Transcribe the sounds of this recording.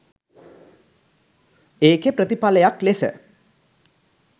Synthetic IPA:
eːkepɾət̪ipaləjaklesə̰

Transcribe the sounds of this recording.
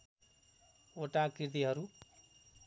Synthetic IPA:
oʈakiɾd̪iɦʌɾu

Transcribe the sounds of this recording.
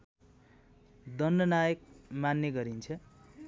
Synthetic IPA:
d̪ʌnːʌnajʌk̚manːjʌɡʌɾint͡sʰʌ

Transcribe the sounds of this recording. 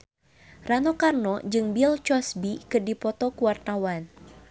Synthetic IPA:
ranɔkarnɔd͡ʒɨŋbilt͡ʃɔsbikɨrdipɔt̪ɔkuwart̪awan

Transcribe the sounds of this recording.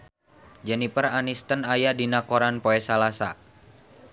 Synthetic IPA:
d͡ʒɛnipəranist̪ənajadinakoɾanpoɛsalasa̰

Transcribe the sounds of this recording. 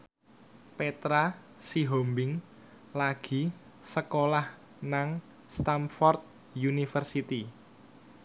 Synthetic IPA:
pet̪ɾa | siɦombɪŋ | laɡ̥i̤ | səkolah | naŋ | st̪amfɔrt̪̚ | junifərsit̪i

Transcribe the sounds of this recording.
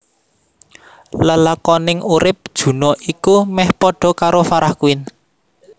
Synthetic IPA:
ləlakɔnɪŋuɾɪp̚d̥ʒ̥ṳnɔʔikumɛhpɔɖ̥ɔ̤kaɾofaɾahkuɪn

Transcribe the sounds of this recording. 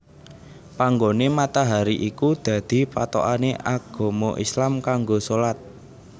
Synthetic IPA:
paŋɡonemat̪aɦaɾiʔikud̪̥a̤d̪̥i̤pa̰t̪o̰ʔaneʔaɡ̥o̤mo̰ʔislamkaŋɡosolat̪̚

